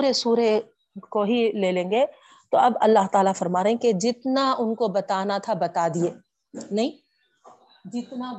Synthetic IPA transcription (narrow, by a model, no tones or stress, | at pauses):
uɾesuːɾe | koɦileːlẽːŋɡe | t̪oɐbɐ̰lːaɦt̪aːlafɐɾmaːɾeɦẽked͡ʒɪt̪naʊnkobɐt̪aːnat̪ʰabɐt̪aːd̪ieː | nɐɦĩː | d͡ʒɪt̪na